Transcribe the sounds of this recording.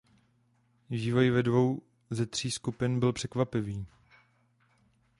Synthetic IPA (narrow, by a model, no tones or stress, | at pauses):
viːvo̞jvɛdvo̞w | zɛt̪r̝̥iːskupɪnbɪlpr̝̥ɛkvapɪviː